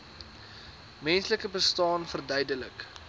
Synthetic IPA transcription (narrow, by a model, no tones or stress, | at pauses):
mɛnsləkəbəstɑːnfərdœjdələk